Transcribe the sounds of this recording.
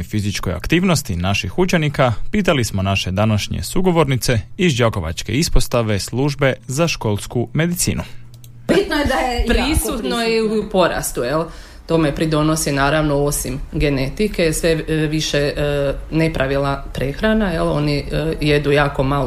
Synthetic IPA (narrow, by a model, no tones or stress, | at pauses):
jfizit͡ʃkoja̰kt̪iːʋnost̪inaʃixut͡ʃenikapit̪̬alismo̞naʃe̞d̪anaʃɲḛsuɡo̞ʋo̞ɾnit̪se̞izd͡ʒako̞ʋa̰t͡ʃke̞̰ispost̪aʋe̞slˠuːʒbe̞zaʃkolˠskume̞d̪it̪sḭːnu | bit̪nojed̪ajepɾisut̪noiupo̞ɾa̰st̪ujel | t̪o̞me̞pɾid̪o̞no̞sinaːɾaʋno̞osimɡe̞ne̞t̪ikesʋe̞ʋiʃe | ne̞pɾʔaʋilˠapɾexɾanaje̞lˠo̞nije̞d̪ujaːko̞mal